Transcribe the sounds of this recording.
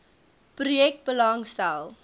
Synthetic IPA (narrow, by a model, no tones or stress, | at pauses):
prujɛk̚t̚bəlɐŋstælˠ